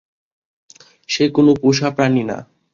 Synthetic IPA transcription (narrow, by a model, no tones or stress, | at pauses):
ʃekonopuʃapɾanina̰